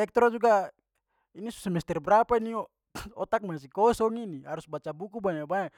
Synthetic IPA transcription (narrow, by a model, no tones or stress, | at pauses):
ɛk̚t̪ɾod͡ʒuɡa | inisu̥sɛmɛst̪ɛrbəɾapainio | ɔt̪ak̚mas̬ikɔsɔŋinihaɾusbat͡ʃabukubaɲabaa